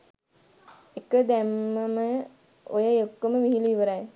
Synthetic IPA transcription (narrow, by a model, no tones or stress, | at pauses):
ekəd̪æmːəmə | o̰jəokːəməʋiɦilʋiʋəɾaj